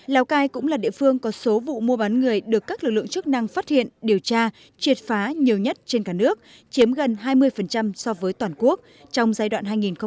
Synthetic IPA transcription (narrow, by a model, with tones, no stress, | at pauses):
laː˨˦wkaː˧jkʊ̰˧˥ŋ͡mlaː˨˩ɗḭ˧˨əfɨ˧əŋkɔ˨˦so˨˦vṵ˧˨mu˧əɓa˨˦nŋɨ˨˩əjɗɨ˨˩əkːaː˦˥klɨ˨˩k̚lɨ̰˧˨ŋt͡ɕɨ˦˥k̚na˧ŋfaː˦˥t̚hḭ˧˨ənɗi˨˩əwt͡ɕaː˧ | t͡ɕwi˨˩ət̚faː˨˦ɲi˨˩əwɲə˦˥t̚t͡ɕe˧nkaː˧˩nɨ˦˥ək̚ | t͡ɕi˨˦əmɣə˨˩nɦaː˧jmɨ˧əjfə˨˩nt͡ɕa˧msɔ˧vəː˨˦jt̪waː˨˩nku˦˥ək̚ | t͡ɕɔ˧wŋ͡mzaː˧jɗwa̰ː˧˨nɦaː˧jŋi˨˩nxə˧